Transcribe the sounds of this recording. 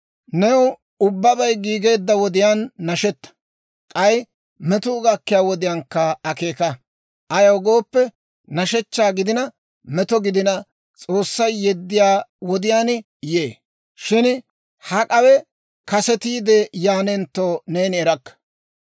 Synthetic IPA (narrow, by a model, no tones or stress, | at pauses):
nɛw | ʊbːɐbɐjɡiːɡe̞ːd̪ːɐwɔd̪ɪjaːnːɐʃɛt̪ːɐ̥ | kʼɐj | mɛt̪ʊːɡɐkːɪjaːwɔd̪ɪjaːŋkːɐɐke̞ːkɐ | ʔɐjɐwɡo̞ːpːɛ | nɐʃɛt͡ʃːaːɡɪd̪ɪnɐ | mɛt̪ɔɡɪd̪ɪnɐ | t͡sʼo̞ːsːɐjːɛd̪ːɪjaːwɔd̪ɪjaːn | jeː | ʃɪn | hɐkʼɐwɛ | kɐsɛt̪iːd̪ɛjaːnɛnt̪ːoːneːnɪɛɾɐkːɐ̥